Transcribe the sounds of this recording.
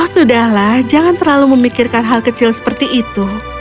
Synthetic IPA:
hsudahlahd͡ʒaŋant̪ərlaluməmikirkanɦalkət͡ʃɪlsə̥pərt̪iʔːt̪u

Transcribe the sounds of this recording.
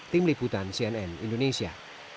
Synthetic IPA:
t̪ɪmlibut̪ansiɛnɛnindonesia

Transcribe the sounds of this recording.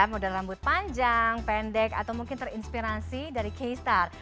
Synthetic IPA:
modallambʊt̪̚paɲd͡ʒaŋpɛndɛka̰t̪awmuŋkɪnt̪ərinspiɾasidaɾikejst̪ar

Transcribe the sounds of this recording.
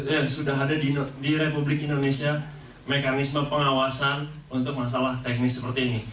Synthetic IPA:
jasudaɦadadidiɾepublɪkindonesia | mekanisməpəŋawasan | unt̪ʊk̚mas̬alaht̪ɛk̚nɪksəpərt̪iːni

